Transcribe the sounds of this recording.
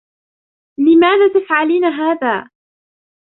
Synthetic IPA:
lɪmaːðaːt̪afʕaliːnaɦaːðaː

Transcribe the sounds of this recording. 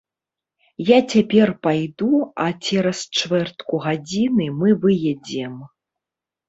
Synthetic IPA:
jat͡sʲapʲɛrpajd̪uat͡sʲɛɾɐst͡ʂvɛrt̪kuɣad͡zʲinɨmɨvɨjɛd͡zʲɛm

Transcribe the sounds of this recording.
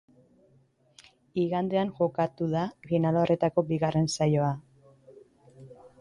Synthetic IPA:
iɣand̪e̞aŋʝo̞kat̪uðafinalore̞t̪ako̞biɣare̞nsajo̞a

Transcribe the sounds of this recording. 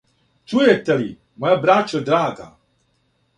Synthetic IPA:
t͡ʃujet̪eli | mojabɾat͡ʃod̪ɾaːɡa̰

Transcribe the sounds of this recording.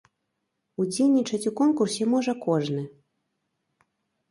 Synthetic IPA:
ud͡zʲejʲnʲit͡ʂɐt͡sʲukɔnkursʲɛmɔʐɐkɔʐnɨ

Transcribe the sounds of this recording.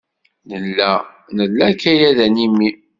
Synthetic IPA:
nəlːæ | nəlːækːæjæðænimːi

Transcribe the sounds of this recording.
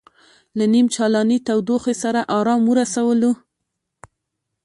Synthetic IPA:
lanimt͡ʃɑlɑnit̪awd̪oxesaɾaʔɑɾɑmwəɾasawəlu

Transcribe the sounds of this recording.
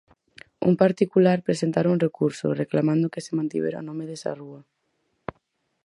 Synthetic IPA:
ṵmpaɾt̪ikulaɾpɾesent̪aɾuŋrekuɾso̰reklamãnd̪okesemãnt̪ḭβḛɾa̰nomeðesa̰rua

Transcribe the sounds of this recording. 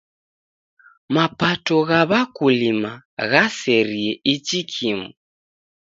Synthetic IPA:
mapatɔɣaβakulimaɣasɛɾiɛʔit͡ʃikʰimu

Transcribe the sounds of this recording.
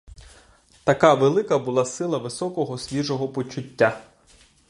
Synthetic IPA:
t̪ɐkɑʋelˠɪkɐbʊlˠɑsɪlˠɐʋɪsɔkɔɦɔsʲʋʲiʒɔɦɔpɔt͡ʃʊtʲːa

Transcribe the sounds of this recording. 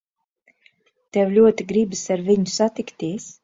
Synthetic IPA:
t̪ɛwlʲuɔt̪iɡɾibɨsaɾviɲusat̪ikt̪iɛs

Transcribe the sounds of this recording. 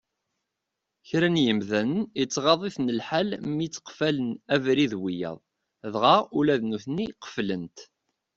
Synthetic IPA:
çɾænjəmðænənit͡sːʁɑðˤiθnəlħalmit͡sːqfælənævɾiðwijɑ̰ðˤ | ðʁɑulæðnuθniqə̥flənt̪

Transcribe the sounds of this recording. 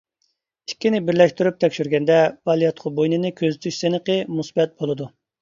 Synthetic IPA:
ikʲːinɪbɪɾlɛʃt̪yɾyp̚t̪ʰɛkʲʃyɾɡʲɛnd̪ɛvɑlˠijɑt̪qʰʊbojnɨnɨkʲʰøzyt̪ʰyʃsenəqəmusbɛt̪̚bolˠɨd̪u

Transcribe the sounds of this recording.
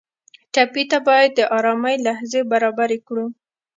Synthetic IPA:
ʈapit̪abɑjad̪̚ːəʔɑɾɑmajlahzebaɾɑbaɾekɽu

